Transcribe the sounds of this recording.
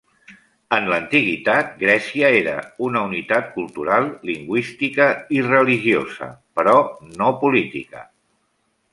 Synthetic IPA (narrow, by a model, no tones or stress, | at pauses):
ənlənt̪iɣit̪at̪̚ɡɾɛsiəeɾə̰unəunit̪at̪̚kulˠt̪uɾalˠːiŋɡwist̪ikəirəliʒiozə̰pəɾɔnopulit̪ḭkə